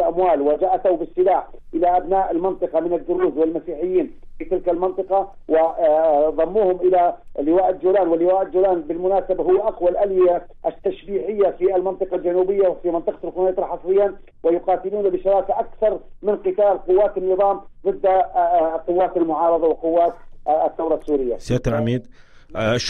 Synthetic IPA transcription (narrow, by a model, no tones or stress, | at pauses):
lʔamwaːlwɪd͡ʒaʔat̪awbɪsːɪlaːħʔɪlaʔabnaːʔalmɪnt̪ˤɨqɑmɪnad̪ːʊɾuːzwɪlmasiːħɪjːiːnfiːt̪ɪlkalmɪnt̪ˤɨqɑ | wɪðˤɑmːuːhʊmʔɪlalːɪwaːʔɪd̪d͡ʒuːlaːnwɪlːɪwaːʔɪdd͡ʒuːlaːnbɪlmʊnaːsabaɦʊwːʔaqwalʔalja | ʔat̪ːaʃbiːħɪjːafialmɪnt̪ˤɨqɑld͡ʒanuːbɪjːawfimɪnt̪ˤɑqɑlqʊnajt̪ˤɾɑħɑsˤɾɪjːan | wɪjʊqɑːt̪ɪluːnabɪʃɑɾˤɑːkaʔakθɑɾˤmɪnqɪt̪aːlqʊwːaːt̪anːɨðˤɑːmðˤɨd̪ː | qʊwːaːt̪almʊʕɑːɾˤɑðˤɑwɪqʊwːaːt̪ːθːawɾˤɑsːuːɾɪjːa̰saːt̪anʕamiːd̪